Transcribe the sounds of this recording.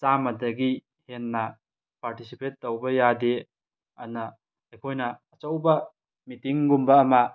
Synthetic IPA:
t͡ʃamɐdɐɡi | henːɐ | paɾtisipetːowbɐjade | ɐnɐ | ɐjkʰojnɐːt͡ʃɐwbɐ | mitiŋɡumbɐːma

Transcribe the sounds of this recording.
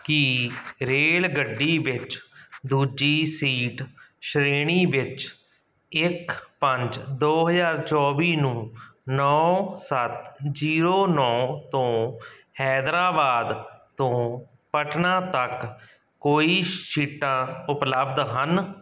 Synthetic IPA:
kɪɾeːlɡəɖːiːʋɪt͡ʃd̪uːd͡ʒiːsiːʈʃɾeːɳiːʋɪt͡ʃ | ɪkpəɲd͡ʒd̪oːɦəzaːɾt͡ʃɔːʋiːnũːnɔːsət̪d͡ʒiːɾoːnɔːt̪õː | hɛːd̪ɾaːbaːd̪t̪õː | pəʈʰnãːt̪ək | kːoːiːʃiːʈːãːʊpləbd̪ɦən

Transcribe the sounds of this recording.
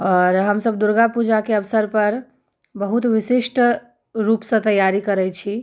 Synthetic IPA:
ɔːɾɦəmsəbd̪uɾɡapud͡ʒakeəʋsəɾpəɾ | bəɦut̪ʋisiʃʈ | ɾupsə̃t̪əjaɾikəɾɛjt͡ʃʰi

